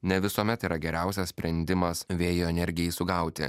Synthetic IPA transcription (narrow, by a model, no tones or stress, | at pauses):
nʲɛʋʲɪsuɔmʲɛt̪iːɾɐɡʲɛɾʲæˑʊsʲɛsspʲɾʲɛnʲd̪ʲɪmɐsʋʲeːjoːɛnʲɛɾʲɡʲɪjɛisʊɡɐˑʊt̪ʲɪ̰